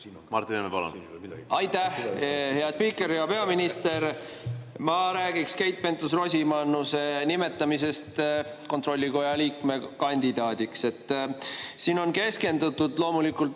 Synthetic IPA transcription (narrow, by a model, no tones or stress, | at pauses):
mɑ̰rt̪inemepɑlo̰n | ɑjt̪ːæhhe̞ɑspiːkːˑe̞ɾjɑpe̞ɑminist̪e̞ɾ | mɑɾæːɡikske̞jt̪̚pe̞nt̪usro̞sʲimɑnːuse̞nime̞t̪ːˑɑmise̞st̪ | ko̞nt̪ro̞lʲːiko̞jɑliːkme̞kɑnʲd̪̥id̪̥ɑːd̪̥ikse̞t̪ˑː | siːno̞nke̞ske̞nd̪ut̪ːˑud̪̥lo̞ːmulikːult̪